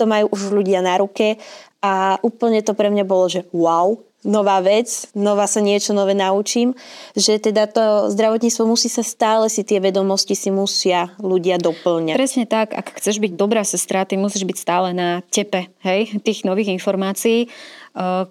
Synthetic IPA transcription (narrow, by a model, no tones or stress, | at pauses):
t̪ɔmajuːʔuʒʎuɟɪanaɾukɛaʔuːpl̩ɲɛt̪ɔpɾɛmɲabɔlɔʒɛwaw | nɔʋaːʋɛt͡snɔʋaːsaɲɪɛt͡ʃɔnɔʋɛnaut͡ʃiːmʒɛt̪ɛd̪at̪ɔzd̪ɾaʋɔt̪ɲiːt͡st̪ʋɔmusiːsast̪aːlɛsit̪ɪɛʋɛd̪ɔmɔscisimusɪaluɟɪad̪ɔpl̩ɲapɾɛsɲɛt̪aka̰kxt͡sɛʒbiɟd̪ɔbɾaːsɛst̪ɾat̪imusiːʒbicst̪aːlɛnacɛpɛɦɛjt̪iːɣnɔʋiːɣinfɔɾmaːt͡siiː